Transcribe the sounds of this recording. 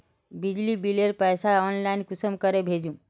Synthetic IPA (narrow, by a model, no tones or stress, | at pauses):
bid͡ʒlibileɾpɛjsaɔnlaɪnkusəmkəɾebʱed͡ʒũ